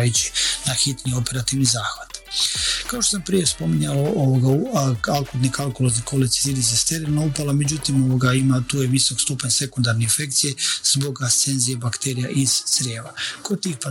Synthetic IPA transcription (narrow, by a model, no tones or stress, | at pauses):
jut͡ɕi̥naxit̪nio̞pe̞ɾat̪iʋnizaːxʋat̪kaoʃt̪os̬ampɾije̞spo̞miɲalooʋoɡaualkud̪nikalˠkoloznikolesi̥zid̪isest̪eɾilnaupalamed͡ʑut̪imo̞ʋoɡaimat̪uːjeʋiso̞kst̪upaɲse̞kund̪aɾne̞infe̞k̚t̪sijez̥bo̞ɡast̪se̞nzijebakt̪e̞ɾijaʔiz̥sɾjeːʋakod̪̚t̪iːxpa